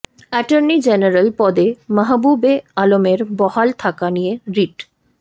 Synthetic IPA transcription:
ɛʈaɾnid͡ʑeneɾalpɔd̪emaɦabubealomeɾbɔhalt̪ʰakanijeɾiʈ

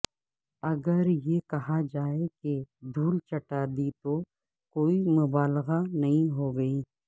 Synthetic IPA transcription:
ɐɡəɾjekɐɦad͡ʒaːeked̪ʱuːlt͡ʃɐʈaːd̪it̪o | koːimʊbaːlɣanɐɦĩɦoːɡɐiː

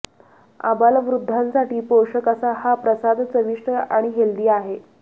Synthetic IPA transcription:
a̰baləʋɾud̪ʱːansaʈiːpoʂəkəsahapɾəsad̪ʱt͡səʋiʂʈəaɽ̃iɦeld̪iːaɦe

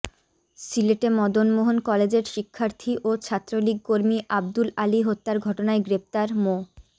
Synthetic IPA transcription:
sileʈemɔd̪onmoɦonkɔled͡ʑeɾʃikʰːaɾt̪ʰiʔot͡ɕʰat̪ːɾoliɡ̚koɾmiʔab̚d̪ulaliɦot̪ːaɾɡʱɔʈonaeɡɾep̚t̪aɾmo

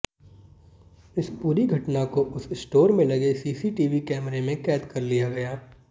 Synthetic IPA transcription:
ɪspuːɾiɡʱɐʈnakoʔʊsɪsʈoːɾmẽlɐɡesiːsiʈiːʋikɛːmɾemẽkɛːt̪kɐɾlijaɡɐjaː

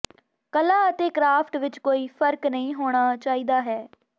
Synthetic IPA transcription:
kəlaːət̪eːkɾaːpʰʈʋɪt͡ʃkoːiːpʰəɾknəĩːɦoːɽ̃aːt͡ʃaːiːd̪aːɦɛː

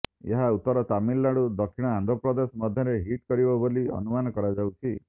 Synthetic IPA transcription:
ḛɦaut̪ːɔɾɔt̪amilːaɽud̪ɔkʰiɽ̃ɔand̪ʱɔpɾɔd̪esɔmɔd̪ʱjɔɾeɦiʈkɔɾibɔboliɔ̰numanɔkɔɾad͡ʒawt͡ʃʰi

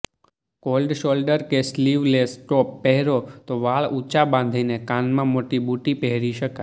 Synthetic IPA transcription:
kolɖʃolɖəɾkesliʋlesʈopːɛɦɾot̪oʋaɭut͡ʃabãn̆d̪ʱinekanmãmoʈibuʈipɛɦɾiʃəka

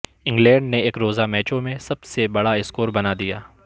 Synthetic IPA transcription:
ɪ̃ŋɡlɛ̃ːɳɖneeːkɾoːzamɛːt͡ʃõmẽsɐbsebɐɽaɪskoːɾbɐnad̪ijaː

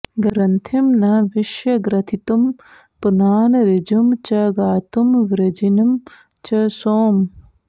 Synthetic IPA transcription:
ɡɐɾɐnt̪ʰimnɐʋiʃjɐɡɾɐt̪ʰit̪um | punaːnɐɾid͡ʒumt͡ʃɐɡaːt̪umʋɾɐd͡ʒinɐm | t͡ʃɐsoːm

